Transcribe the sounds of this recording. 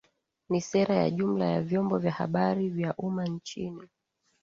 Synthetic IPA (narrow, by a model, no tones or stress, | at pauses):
nisɛɾaja̰ʄum̩lajavjɔmbɔvjaha̰ɓaɾivjaʔumant͡ʃini